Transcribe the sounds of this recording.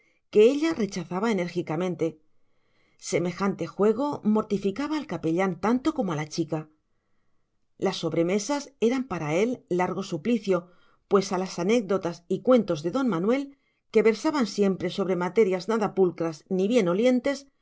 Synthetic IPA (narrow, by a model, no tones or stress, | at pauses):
ke̞eʎare̞t͡ʃaθaβaene̞ɾxikamẽnt̪e̞ | se̞me̞xant̪e̞xwe̞ɣ̞o̞mo̞ɾt̪ifikaβaːlkape̞ʎant̪ant̪o̞ko̞moalat͡ʃika | lasːo̞βɾe̞me̞sase̞ɾampaɾae̞lːaɾɣ̞o̞supliθjo̞ | pwe̞salasane̞k̚d̪o̞t̪asikwe̞nt̪o̞zðe̞ðo̞nmanwe̞l | ke̞βe̞ɾsaβansje̞mpɾe̞so̞β̞ɾe̞mat̪e̞ɾjaznaðapulkɾazniβje̞no̞lje̞nt̪e̞s